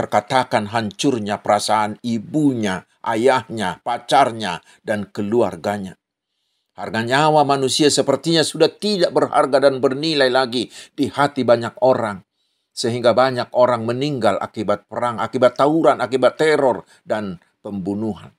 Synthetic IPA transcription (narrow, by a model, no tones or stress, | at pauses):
t̪ərkat̪akanɦaɲt͡ʃʊrɲapəɾasaːnibuɲa | ʔajahɲapat͡ʃarɲa | dankəlua̰rɡaɲa | harɡaɲawamanusiasəpərt̪iɲasudaht̪idaʔbərha̰rɡadanbərnilajlaɡidihat̪ibaɲak̚oɾaŋ | səɦiŋɡabaɲak̚oɾaŋməniŋɡala̰kibat̪̚pəɾaŋa̰kibat̪ːauɾanakibat̪ːɛɾɔr | dan | pəmbunuɦan